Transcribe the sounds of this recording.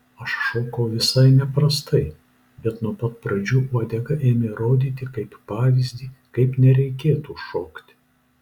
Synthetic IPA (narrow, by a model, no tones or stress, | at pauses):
ɐʃʃoːkɐʊʋʲɪsɐɪnʲɛpɾɐst̪ɐɪ | bʲɛt̪nuɔpɐt̪̚pɾɐd͡ʒʲuːɔːd̪ʲɛɡɐʔeːmʲeɾoːd̪ʲiːt̪ʲɪkɐɪppɑːʋʲɪzʲd̪ʲiːkɐɪpnʲɛɾʲɛɪkʲeːt̪uʃoːkt̪ʲ